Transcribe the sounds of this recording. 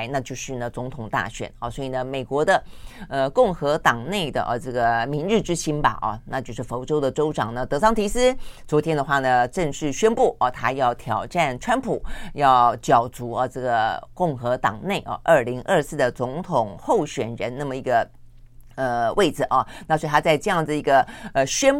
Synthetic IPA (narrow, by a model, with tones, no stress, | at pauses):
ɪna˥˧t͡ɕjo˥˧ʊʂɻ̩˥˩nə˩t͡sʊ˧˥ŋt̪ʰʊ˨˩ŋt̪a̰˥˩ɕɥɛ̰˨˩˦nɐ˥˧swɔ˧˥i˨˩nə˦me˨˩ɪkwɔ˧˥d̪ə˧ə˧kʊ˥˩ŋxɤ˧˥t̪ɑ˨˩ŋne˥˩ɪd̪ə̰˩ʔʈ͡ʂɤ˥˩ɡə˩mi˧˥nɻ̩˥˩ʈ͡ʂɻ̩˥ɕi˥nbɐ̰˨ʔɐ̰˧na˥˧t͡ɕjo˥˧ʊʂɻ̩˥˩fo˧˥ʊʈ͡ʂo˥ʊd̪ə˨ʈ͡ʂo˥ʊʈ͡ʂɑ˨˩ŋnə˦t̪ɤ˧˥sɑ˥ŋt̪ʰi˧˥sɹ̩˥t͡swɔ˧˥t̪ʰjɛ˥nd̪ə˨˧xwa˥˩nə˩ʈ͡ʂɤ˥˧ŋʂɻ̩˥˩ɕɥɛ˥npu˥˩ʔɐ˧˩t̪ʰa˥jɑ˥˩ʊt̪ʰjɑ˨˩ʊʈ͡ʂa˥˧˩nʈ͡ʂʰwa˥npʰu˨˩˦jɑ˥˩ʊt͡ɕjɑ˨˩ʊt͡su˧˥ə˧ʈ͡ʂɤ˥˩ɡə˩kʊ˥˩ŋxɤ˧˥t̪ɑ̰˨˩ŋne˥˩ɪʔɐ̰˧˩ʔə˞˥˩li˧˥ŋʔə˞˥˧sɹ̩˥˩d̪ə˩t͡sʊ˧˥ŋt̪ʰʊ˨˩ŋxo˥˩ʊɕɥɛ˨˩nɻə˧˥nna˥˩mə˩i˧˥ɡə˧ | ə˧wʔe˥˩ɪd͡zɹ̩˨˩ʔɐ˥˩na˥˩swt̪ʰa˥t͡sa˥˧ɪʈ͡ʂɤ˥˧jɑ˥˩ŋd͡zɨ˩i˧˥ɡə˧ə˧ɕɥɛ˥n